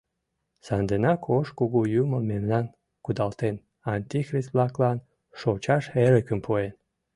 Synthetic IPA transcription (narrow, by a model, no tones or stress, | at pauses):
sand̪enɑkʰoʃkuɣujuməlmemnan | kud̪ɑlt̪en | anʲt̪ʲixrist̪blˠɑklˠɑn | ʃot͡ɕaʃeləkə̆mpʰoen